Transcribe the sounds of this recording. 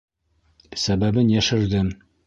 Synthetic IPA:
sæbæbɘnjæʃɘ̆ɾd̪ɘm

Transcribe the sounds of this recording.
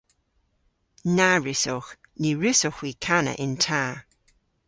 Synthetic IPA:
naɹɪsɔx | niɹɪsɔxwiːkʰanə̰ʔɪntʰaː

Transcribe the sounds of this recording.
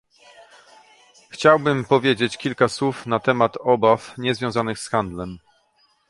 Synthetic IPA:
xt͡ɕawbɘmpɔvʲjed͡ʑet͡ɕkʲilkaswufnat̪ɛmat̪ɔbafɲɛzvʲjɔ̃w̃zanɘxsxand̪lɛm

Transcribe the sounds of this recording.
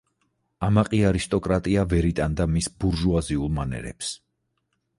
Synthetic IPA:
amaqʼiaɾist̪ʼɔkʼɾat̪ʼiavɛɾit̪ʼand̪amisbuɾʒuaziulˠmanɛ̰ɾɛ̰ps

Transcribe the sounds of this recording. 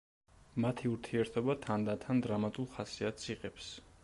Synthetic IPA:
mat̪ʰiuɾt̪ʰiɛɾt̪ʰɔbat̪ʰand̪at̪ʰand̪ɾamat̪ʼulˠχasiat̪̚sʰiqʼɛps

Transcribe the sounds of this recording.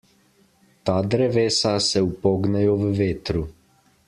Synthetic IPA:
t̪aːd̪ɾɛʋeːsasɛupoːɡnɛjɔʋəʋeːt̪ɾu

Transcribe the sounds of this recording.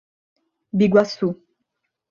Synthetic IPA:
biɡwasu

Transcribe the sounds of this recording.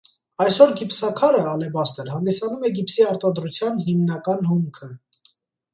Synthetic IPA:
ɑjsɔɾɡipsɑkʰɑɾəɑlɛbɑst̪əɾɦɑnd̪isɑnumɛɡipsiɑɾt̪ɑd̪ɾut͡sʰjɑnɦimnɑkɑnhumkʰə

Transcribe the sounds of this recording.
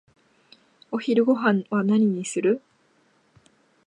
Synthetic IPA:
o̞çiɾɯ̟ɡo̞ɦãɴ̃βanaɲ̟iɲ̟isɨɾɯ̟

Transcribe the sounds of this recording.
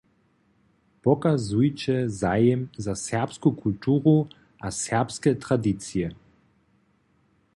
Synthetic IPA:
pɔkazujt͡ʃɛzajɛmzasɛʁpskukʰult̪uːʁu | asɛʁpskɛt̪ɾad̪it̪siɛ

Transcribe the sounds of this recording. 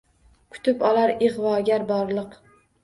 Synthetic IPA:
kʰʊ̥t̪ʰɪpɒlaɾɪʁvɒːɡʲaɾbɒɾlˠɨq

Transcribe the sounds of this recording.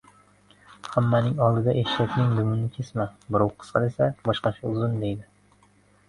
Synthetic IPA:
hamːanɪŋɒlˠd̪ɪd̪aʔeʃat̪nɪŋd̪ʊmɪnɪkʲʰe̞smabɪɾowqʰɨ̥sqʰɑd̪esabɒʃqɑt͡ʃʰaʊzɪnd̪e̞jd̪ɪ

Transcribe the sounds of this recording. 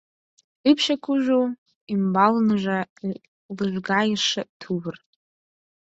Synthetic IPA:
ipʰʃakʷʰʊʒʷᶣo | imbalnʒʷa | lɨʒᶣʷɡaiʂɨtʰubɨr

